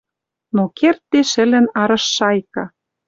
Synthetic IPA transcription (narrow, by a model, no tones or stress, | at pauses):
nokert̪ːeʃɘ̆lɘ̆nɑɾɤ̆ʃːɑjkɑ